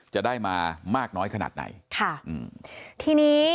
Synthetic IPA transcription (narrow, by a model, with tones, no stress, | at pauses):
t͡ɕa˨˩daː˥˩jmaː˧maː˥˩k̚nɔː˦˥jkʰa˧na̰ː˨˩t̪̚na̰˧˩˦jkʰa˥˩ʔɯː˨˩t̪ʰiː˧niː˦˥